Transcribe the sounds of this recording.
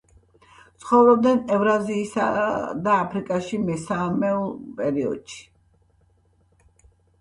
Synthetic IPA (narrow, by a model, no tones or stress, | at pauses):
t̪sʰχɔvɾɔb̚d̪nɛnɛvɾaziːsa̰d̪aːpʰɾikʼaʃimɛsamɛɔpʼɛɾiɔ̰d̪̥ʃi̥